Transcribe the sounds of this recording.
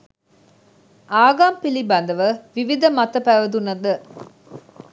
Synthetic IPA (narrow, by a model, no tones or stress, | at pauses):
ʔaːɡaːmpilibɐnd̪ɐʋəʋiʋid̪ɐmɐt̪ɐpæʋɐd̪unɐd̪ə